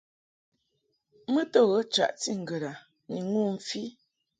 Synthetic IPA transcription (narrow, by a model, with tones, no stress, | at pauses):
mə˦tɔ˦˨ɣə˨˦t͡ʃa̰˨ʔti˦˨ŋ̩˨ɡə˨ɾa˨ | ni˨ŋu˦˨ɱ̩˨fi˦